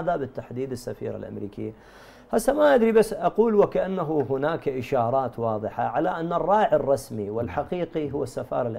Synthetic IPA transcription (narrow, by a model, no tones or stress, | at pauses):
ðabɪt̪ːaħd̪iːd̪ɪsːafiːɾa̰lʔa̰mɾḭːkɪ̰jːa | hasːamaʔad̪ɾibasːʔɑquːlwɪkaʔanːaɦuɦʊnaːkʔɪʃɑːɾˤɑːt̪wɑːðˤɨħa̰ʕalaʔanːarˤːɑːʕɪrˤːɑsmiwɪlħaqiːqiɦʊwːasːafɑ̰ːɾˤɪlʔ